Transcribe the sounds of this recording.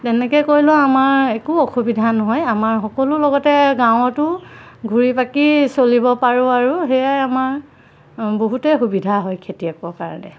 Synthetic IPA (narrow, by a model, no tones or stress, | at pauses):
tɛnɛkɛkoɹilʊ̃amaɹekuɔxubidʱanɔɦɔjamaɹxɔkɔlʊlɔɡɔtɛɡãw̃ɔtʊɡʱuɹipakisolibɔpaɹʊ̃aɹuɦejajamaɹ | boɦutɛxubidʱaɦɔjkʰetijakɔkaɹɔnɛ̰